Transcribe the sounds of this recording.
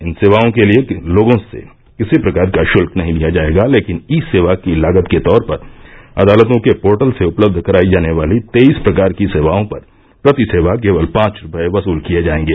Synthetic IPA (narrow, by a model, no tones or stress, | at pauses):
ɪnseːʋaːõkelieloːɡõsḛ | kɪsipɾɐkaːɾkaʃʊlknɐɦĩd̪ijad͡ʒaːeːɡaleːkɪniseːʋakilaːɡət̪ket̪ɔːɾpɐɾɐ̰d̪aːlət̪õkepoːɾʈəlseʊpləb̚d̪ʱkɐɾaːid͡ʒaːneʋaːlit̪eːiːspɾɐkaːɾkiseːʋaːõpɐɾ | pɾɐt̪ɪseːʋakeːʋəlpãːt͡ʃɾʊpəeʋɐsuːlkijed͡ʒaːẽːŋɡeː